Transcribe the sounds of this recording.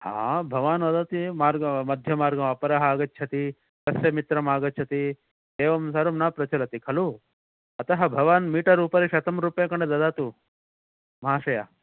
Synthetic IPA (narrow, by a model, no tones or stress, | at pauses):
hã̰ːbʱɐʋaːnʋɐd̪at̪imaːɾɡɐmɐd̪ʱjɐmaːɾɡɐmɐpɐɾɐɦaːɡɐt̪ːt͡ʃʰɐt̪i | t̪ɐsjɐmit̪ɾɐmaːɡɐt͡ʃʰɐt̪i | eːʋɐmsaɾumnaːpɾɐt͡ʃɐlɐt̪ikʰɐlu | ɐt̪ɐɦɐbʱɐʋaːnmiːʈɐɾuːpɐɾeʃɐt̪ɐmɾupjẽkɐɳɖed̪ɐd̪aːt̪u | mɐɦaːʃɐja